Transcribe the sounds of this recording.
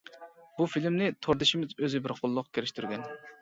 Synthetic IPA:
bufilmnɪt̪ʰoɾd̪ɪʃɪmɪzøzɪbɪɾqʰʊlˠːʊqkʲʰeɾɪʃt̪ʰyɾɡʲɛn

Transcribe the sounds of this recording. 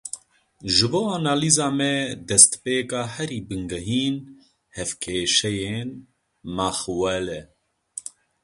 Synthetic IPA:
ʒɨboːanaːliːzɑːmɛd̪ɛst̪peːkɑːhɛɾiːbɨŋɡɛɦiːn | hɛfkʰeːʃɛjeːn | maxwɛlɛ

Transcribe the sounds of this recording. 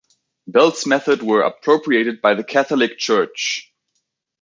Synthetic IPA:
bɛlˠtsmɛθədwə˞ə̰pʰɹ̥oʊpʰɹieɪɾɨd̚baɪðɨkʰæθl̩ˠɪk̚t͡ʃʰɜ˞t͡ʃ

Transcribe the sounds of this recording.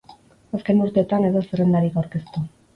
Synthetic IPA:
aske̞nuɾt̪eːt̪ane̞ðo̞serend̪aɾikawɾke̞st̪u

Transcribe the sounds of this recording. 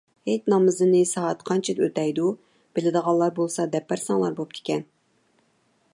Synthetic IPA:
het̪nɑmɨzɨnɨsɑɑt̪qʰɑnt͡ʃʰid̪øt̪ɛjd̪u | b̥ɪlɪd̪əʁɑlˠːɑɾbolˠsɑd̪ɛpːæɾsɑŋlˠɑɾbop̚t̪ʰɪ̥kʲɛn

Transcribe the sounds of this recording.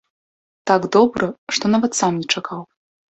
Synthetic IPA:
t̪aɡd̪ɔbɾɐʂt̪ɔnavɐt̪samnʲɛt͡ʂakʰaw

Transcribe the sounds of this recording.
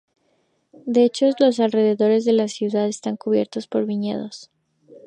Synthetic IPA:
d̪e̞et͡ʃo̞zlo̞s̬alre̞ðe̞ðo̞ɾe̞zðe̞lasjuðaðe̞st̪aŋkuβjeɾt̪o̞spo̞ɾβiɲe̞̰ð̞os

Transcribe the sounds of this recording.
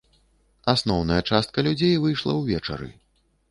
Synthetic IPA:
asnɔwnɐjɐt͡ʂast̪̚kɐlʲud͡zʲejvɨjʂlˠɐ̰wvʲɛt͡ʂɐ̰ɾɨ̰

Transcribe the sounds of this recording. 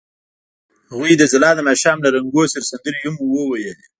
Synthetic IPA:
haɣwijd̪əzɪlɑd̪əmaʃɑmlaɾaŋɡosəɾsand̪əɾihumːuwəwajeli

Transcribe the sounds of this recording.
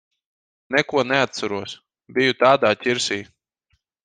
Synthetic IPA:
nɛkuɔnɛat̪̚saɾuɔs | bʲijut̪aːd̪aːt̪ʲiɾsʲiː

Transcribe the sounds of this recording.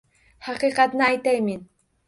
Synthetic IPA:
hɑqiqɑt̪najt̪ajmɪn

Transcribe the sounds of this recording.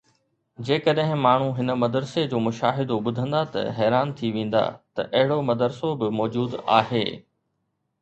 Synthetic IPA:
d͡ʑeːkɐɗɦɪ̃maːɳ̤uɦɪnə̆mɐd̪əɾsed͡ʑoːmʊʃaːɦɪd̪oɓʊd̪ʱə̃nd̪at̪ɐ̰ɦɛːɾaːnt̪ʰiʋẽːn̆d̪a̰ːt̪ɐ̰ʔɐɦɪɽomɐd̪əɾsobɪmɔːd͡ʑuːd̪a̰ːɦeː

